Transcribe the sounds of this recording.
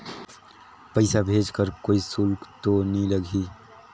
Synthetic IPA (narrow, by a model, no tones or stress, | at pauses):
pəɪsabʱeːd͡ʒkəɾkoːisʊlkt̪oniləɡʱi